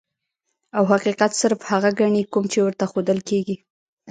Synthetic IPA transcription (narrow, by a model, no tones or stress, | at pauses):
awɦaqiqat̪səɾfhaɣaɡaɳikumt͡ʃewəɾt̪axod̪əlkeɡi